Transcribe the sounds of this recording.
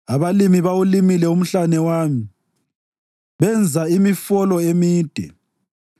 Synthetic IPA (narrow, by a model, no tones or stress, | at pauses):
aβalimiβawulimilɛum̩ɬanɛwaːmi | βɛnd͡zʱaimifɔlɔemiːd̥ʱɛ̰